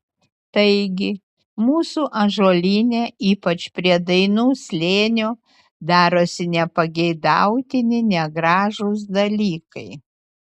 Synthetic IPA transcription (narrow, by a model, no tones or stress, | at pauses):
t̪ɐɪɡʲɪ | muːsuːʔɐʒoːlʲiːnʲeːiːpɐt͡ʃpʲɾʲiɛd̪ɐɪnuːsʲlʲeːnʲuː | d̪ɑːɾoːsʲɪnʲɛpɐɡʲɛɪd̪ɑʊt̪ʲɪnʲɪnʲɛɡɾɑːʒos̬d̪ɐlʲiːkɐɪ